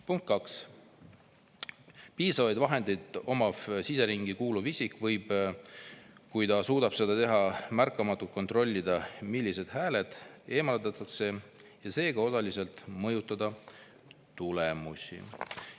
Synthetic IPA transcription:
puŋkt̪̚kɑks | piːsɑvɑjd̪vɑɦe̞nd̪ejd̪o̞mɑfsise̞ɾiŋɡ̥ikuːluvisʲikˑvɤjb̥ | kujt̪ɑsuːd̪̥ɑb̥se̞d̪ɑt̪e̞ɦɑmærkːˑɑmɑt̪ːˑult̪̚ko̞nt̪ro̞lʲːid̪ɑmilʲːise̞d̪̥hæːle̞d̪̥e̞ːmɑlt̪ɑt̪ːˑɑkse̞jɑse̞ːɡ̥ɑo̞sɑlise̞lt̪mɤjut̪ːˑɑd̪ɑ | t̪ulemusʲḭ

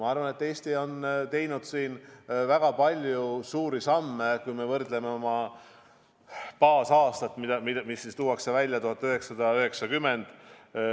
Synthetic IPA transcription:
mɑɑrvɑne̞t̪ːe̞ːst̪io̞nt̪e̞jnud̪̥siːnvæɡ̥ɑpɑlʲjusuːɾisɑmːekujme̞vɤrd̪le̞meo̞mɑ | pɑːsɑːst̪ɑt̪ːˑmid̪ɑmid̪misːist̪uːwɑkse̞vælʲjɑt̪uɦɑt̪ːˑøɦe̞ksɑd̪̥ɑøɦe̞ksɑkymːe̞nd̪̥

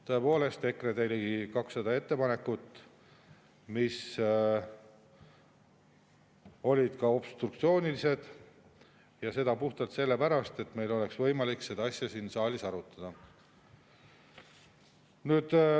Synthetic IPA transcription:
t̪o̞e̞po̞ːle̞st̪e̞kred̪elʲikɑksːɑd̪ɑe̞t̪ːe̞pɑne̞kːut̪ːˑ | mis | o̞lʲid̪̥kɑo̞b̥st̪ruk̚t̪sio̞ːnilise̞d̪̥ | jɑse̞d̪ɑpuht̪ɑlt̪se̞lːe̞pæɾɑst̪e̞t̪me̞jlo̞le̞ksvɤ̞jmɑlikse̞d̪̥ɑɑsʲjɑsiːnsɑːlʲisɑɾut̪ˑːɑd̪̥ɑ | nyːd̪̥

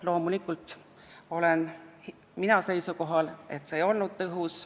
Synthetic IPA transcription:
lo̞ːmulikːˑult̪ˑ | o̞le̞nh | minɑse̞jsuko̞ɦɑle̞̰t̪seːjo̞lnud̪̥̚t̪ɤɦus

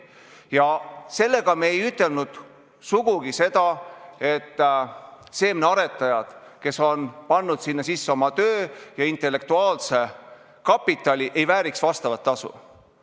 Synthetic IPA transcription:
jɑse̞lːe̞ɡ̥ɑmeːjyt̪ːˑe̞lnud̪̥ | suɡ̥uɡ̥ise̞d̪̥ɑe̞t̪ː | se̞ːmneɑɾe̞t̪ːˑɑjɑd̪̥ke̞so̞npɑnːud̪̥sinːɑsisːeo̞mɑt̪ø̞ːjɑint̪ˑe̞lːe̞k̚t̪uɑːlse̞ | kɑpːˑit̪ːˑɑlʲiʔe̞jvæːɾiksvɑst̪ɑvɑt̪ːɑsṵ

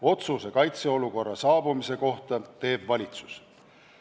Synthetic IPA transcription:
o̞t̪susekɑjt̪se̞o̞luko̞rːɑsɑːb̥umise̞ko̞ht̪ɑt̪e̞ːb̥vɑlʲit̪su̥s

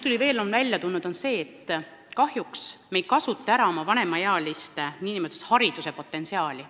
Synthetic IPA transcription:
t̪ulʲive̞ːlonvælʲjɑt̪unːud̪̥o̞nse̞ːet̪ː | kɑhjuksme̞j̪̚kɑsut̪ːˑeæɾɑo̞mɑvɑne̞mɑjeɑɑlist̪niːnimod̪set̪hɑɾid̪̥use̞po̞t̪ːˑe̞nsiɑːlʲi

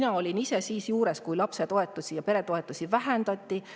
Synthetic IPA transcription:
nɑo̞lʲinise̞siːsjuːɾe̞skujlɑpse̞t̪o̞e̞t̪ːˑusijɑpe̞ɾe̞t̪o̞e̞t̪ːˑusivæɦænd̪̥ɑt̪ʲːi

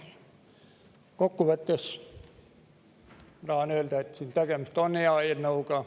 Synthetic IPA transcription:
kokːuʋæt̪ːes | rɑːnølt̪æet̪siːnt̪æɡemyst̪oneɑinːoukɑ

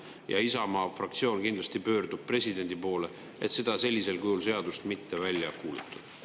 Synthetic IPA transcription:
jɑ̰isɑmɑːfrɑk̚t̪sio̞ːnkind̪lɑst̪ipø̞ːrd̪̥ub̥̚pre̞sʲid̪e̞nʲd̪ipo̞ːle̞ | e̞t̪se̞d̪̥ɑse̞lʲːise̞lkujuls̬e̞ɑd̪ust̪mit̪ːe̞vælʲːjɑkuːlut̪ːˑu̥d̪̥

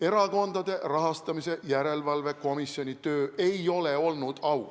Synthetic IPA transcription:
e̞ɾɑko̞nd̪ɑd̪e̞rɑɦɑst̪ɑmise̞jæɾe̞lvɑlve̞ko̞misːio̞nʲit̪ø̞ːʔe̞jo̞le̞o̞lnud̪̥ɑw

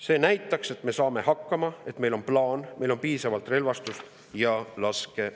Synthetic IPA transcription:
se̞ːnæjt̪ːˑɑkse̞t̪ːˑme̞sɑːme̞hɑkːɑmɑe̞t̪me̞jlo̞nplɑːnmʔe̞jlo̞npiːsɑvɑlt̪ˑre̞lvɑst̪ust̪ | jɑlɑske̞

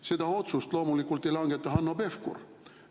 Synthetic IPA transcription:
se̞d̪ɑo̞t̪sust̪lo̞ːmulikːˑult̪ːˑe̞jlɑŋɡ̥e̞t̪ːˑɑɦɑnːobe̞fkṵr

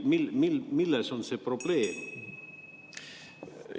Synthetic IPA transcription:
milmilmilasonsepɾobleːm

